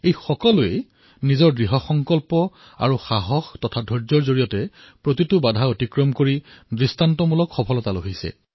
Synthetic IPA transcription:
ejxɔkɔlʊe | nizɔɹɡɹiɦɔxɔŋkɔlpɔ | a̰ɹuxaɦɔxtɔtʰadʱɔɹzɔɹzoɹijɔtɛ | pɹotitʊbadʱaotikɹɔmkoɹidɹistantɔmulɔkxɔpʰɔlɔtaloɦisɛ̰

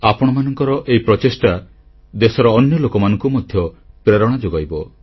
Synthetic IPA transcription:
apɔɽ̃ɔmanɔŋkɔɾɔʔeipɾɔt͡ʃesʈa | d̪esɔɾɔːnjɔlokɔmanɔŋkumɔd̪ʱjɔpɾeɾɔɽ̃ad͡ʒoɡajbɔ

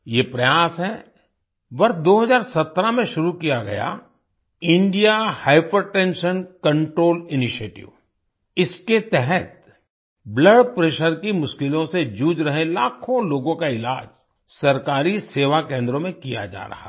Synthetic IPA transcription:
jepɾɐjaːsɦɛ | ʋɐɾsd̪oːɦɐzaːɾsɐt̪ːɾamẽʃʊɾukijaɡɐ̰ja̰ | ɪ̃ɳɖijahaːɪpəɾʈɛ̃nʃənkɐ̃ɳʈɾoːlɪnɪʃeːʈɪ̰ʋ | ɪsket̪ɛɦɛt̪̚ | bləɖpɾeːʃəɾkimʊʃkɪlõsed͡ʒuːd͡ʒɾɐɦẽlaːkʰõloːɡõkaɪla̰ːd͡ʒ | sɐɾkaːɾiseːʋakẽːnd̪ɾõmẽkija̰d͡ʒa̰ːɾɐ̰ɦa̰

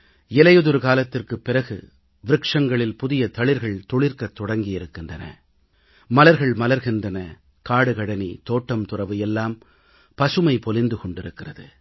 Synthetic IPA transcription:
ɪlɐjɯðɯɾɯkaːlɐt̪ːɪrkɯpːɪrɐɣɯ̰ | ʋɪɾɯkʂɐŋɡɐɭɪlpʊðɪjɐt̪ɐɭɪɾɣɐɭt̪ɔɭɪɾkɐt̪ːɔɽɐŋɡɪjɪɾɯkːɪndrɐnɐ̰ | mɐlɐɾɣɐɭmɐlɐɾɣɪndrɐnɐ | kaːɽɯkɐɽɐnit̪oːʈːɐmt̪ʊrɐʋɯjɛlːaːm | pɐsɯmɐɪpɔlɪnd̪ɯkɔɳɖɪɾɯkːɪrɐðɯ

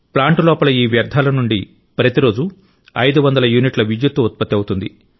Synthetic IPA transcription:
plaːɳʈulɔːpɐlɐiːʋjɐɾd̪ʱaːlɐnuɳɖi | pɾɐt̪iɾo̞ːd͡ʒu | ɐjd̪uʋɐnd̪ɐlɐjuːniʈlɐʋid͡ʒjut̪ʋuut̪̚pɐt̪ːɐwut̪und̪i

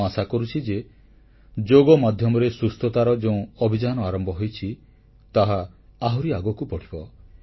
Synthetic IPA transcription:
asakɔɾut͡ʃʰid͡ʒe | d͡ʒoɡɔmad̪ʱjɔmɔɾesust̪ʰɔt̪aɾɔd͡ʒeũɔbʱid͡ʒanɔaɾɔmbʱɔɦojt͡ʃʰi | t̪aɦaaɦuɾiaɡɔkupɔʈʰibɔ

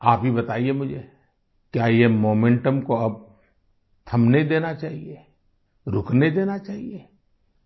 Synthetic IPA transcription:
aːpɦibɐt̪aːiemʊd͡ʒʱe | kjaːjemoːmẽɳʈəmkoɐb̚ | t̪ʰɐmned̪eːnat͡ʃaːɦie | ɾʊkned̪eːnat͡ʃaːɦie

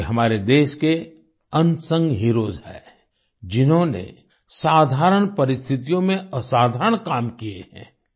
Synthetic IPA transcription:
ɦɐmaːɾed̪eːʃke | ɐ̃nsə̃ŋɡɦiɾoːzɦɛ̰ː | d͡ʒɪnɦõnḛ | saːd̪ʱaːɾəɽ̃pɐɾɪst̪ʰɪt̪ijõmẽɐsaːd̪ʱaɾəɳ̃kaːmkiḛhɛ̰̃ː

